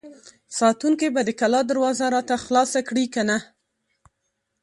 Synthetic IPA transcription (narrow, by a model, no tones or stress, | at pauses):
sɑt̪uŋkebad̪əkalɑd̪aɾwɑzaɾɑt̪axlɑsakɽikana